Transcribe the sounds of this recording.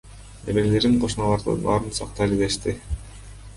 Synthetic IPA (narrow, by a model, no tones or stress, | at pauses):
eβelle̞ɾiɴqʰo̞ʃnɑlˠɑɾd̪ɯ̰nɑ̰ːɾɯnsɑq̚t̪ɑlʲiɡ̪eʃt̪i